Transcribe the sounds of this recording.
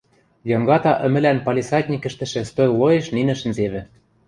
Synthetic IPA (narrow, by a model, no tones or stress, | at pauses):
jɤ̆ŋɡɑt̪ɑʔə̆mɘ̆lænpɑlʲisɑt̪ʲnʲikɘ̆ʃt̪ɘ̆ʃɘ̆st̪ojlojeʃninɘ̆ʃɘ̆nzeβɘ̆